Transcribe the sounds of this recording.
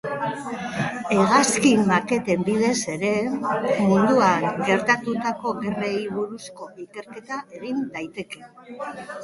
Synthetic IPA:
e̞ɣaskimake̞t̪e̞mbið̞e̞se̞ɾe̞mund̪uaŋɡe̞ɾt̪at̪ut̪ako̞ɣe̞rejβuɾusko̞ike̞ɾke̞t̪aʔe̞ɣind̪ajt̪e̞ke̞

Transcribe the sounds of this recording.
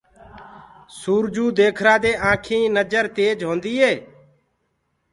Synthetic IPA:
suːɾd͡ʒuːd̪eːkʰɾaːd̪eːʔãːkʰĩːnəd͡ʒəɾt̪eːd͡ʒɦõːnd̪iːɦeː

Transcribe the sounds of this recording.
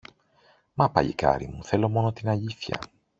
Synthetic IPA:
mɐpɐ̰ʎḭkɐ̰ɾimuθe̞lo̞mo̞no̞t̪inɐʎiθçɐ̰

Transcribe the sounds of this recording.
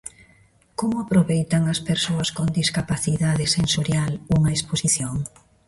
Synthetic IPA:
komʊapɾoβejt̪aŋɐspeɾsoɐskond̪iskapaθiðaðɪsensoɾjaluŋɐesposiθjoŋ

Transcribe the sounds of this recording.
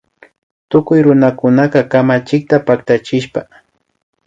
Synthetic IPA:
t̪ʊkʊjɾʊnakʊnaqɑkamat͡ʃɪk̚t̪apak̚t̪at͡ʃɪʃpa

